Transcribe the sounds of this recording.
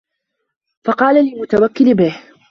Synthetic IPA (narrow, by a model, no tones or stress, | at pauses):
fɑqɑːlalɪlmʊt̪awakːɪlbɪh